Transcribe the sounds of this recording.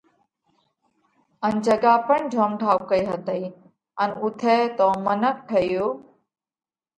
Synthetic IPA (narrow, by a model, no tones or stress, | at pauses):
ənd͡ʒəɡaːpəɳd͡ʒʱoːmɖʱaːwkəiːɦət̪əiː | ənʊt̪ʰeːt̪oːmənək̚ʈʰəjoː